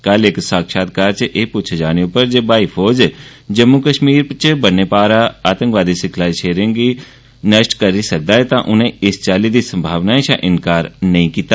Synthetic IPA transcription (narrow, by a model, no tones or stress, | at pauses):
kəlɪksaːkʃaːt̪̚kaːɾt͡ʃəʔeːpʊt͡ʃʰd͡ʒaːneupəɾd͡ʒebaːifʰɔːd͡ʒd͡ʒəmːukəʃmiːɾpt͡ʃəbənːepaːɾaaːt̪ə̃ŋkʋaːd̪isɪkʰlaːiʃeːɾɪ̃ŋɡi | nəʃʈkəɾisɐk̚d̪aːɛt̪ãʔʊnɦẽɪst͡ʃaːlid̪isə̃mbʱaːʋnaːẽʃãʔɪnkaːɾnəɦĩkiːt̪aː